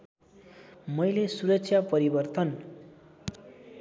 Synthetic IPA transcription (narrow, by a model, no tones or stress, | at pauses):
mʌjlesuɾʌksʰjapʌɾibʌrt̪ʌn